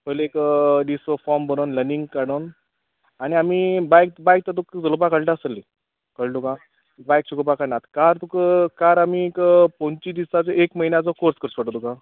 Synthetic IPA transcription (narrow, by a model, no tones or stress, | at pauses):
pəlekɖisəfɔɾmbʱəɾonləɾniŋɡ̚kaɽon | aɽ̃iamibajk̪̚bajk̚t̪at̪ukd͡zəlop̬akəɽʈasəlːi | kəɽʈ̪uka | bajk̚ɕukopakaɽnat̪kaɾt̪ukəkaɾamikpõnt͡ɕid̪isat͡sɔekməɦinjat͡sɔkoɾskəɾsʋəʈət̪uka